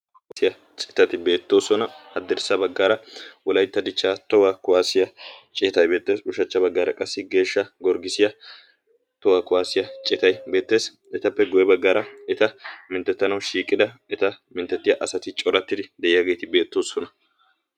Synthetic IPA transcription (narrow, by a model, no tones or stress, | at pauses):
sɪjɐ | t͡ʃʼɪ̥t̪ɐt̪ɪbe̞ːt̪ːo̞ːsɔnɐɐd̪ːɛɾsɐbɐɡːaːɾɐʔɔlɐjt̪ːɐd̪ɪt͡ʃːaːt̪ɔwakʊwaːsɪjɐt͡ʃʼɛt̪ɐjbeːt̪ːe̞ːsʊʃɐt͡ʃːɐbɐɡːaːɾɐ̰kʼɐsːɪɡe̞ːʃːɐɡɔɾɡɪsɪjɐ | t̪ɔwakʊwaːsɪjɐt͡ʃʼɪt̪ɐjbe̞ːt̪ːe̞ːs | ɛt̪ɐpːɛɡɔjɛbɐɡːaːɾɐɛt̪ɐmɪnt̪ːɛt̪ːɐnɐwʃiːkʼːɪd̪ɐɛt̪ɐmɪnt̪ːɛt̪ːɪjɐʔɐsɐt̪ɪt͡ʃʼɔɾɐt̪ːɪd̪ɪd̪ɛʔɪjɐɡe̞ːt̪ɪbe̞ːt̪ːoːsɔnɐ